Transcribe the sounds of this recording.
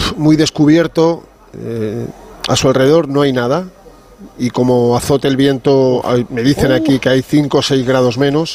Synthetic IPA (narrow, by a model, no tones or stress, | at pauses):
mujðe̞skuβ̞je̞ɾt̪o̞ | e | a̰sualre̞ðo̞ɾnoajnað̞a | iko̞moaθot̪elβje̞nt̪oa̰jme̞ð̞iθe̞nakikeajθiŋko̞sejzɣɾað̞o̞zmẽ̞nos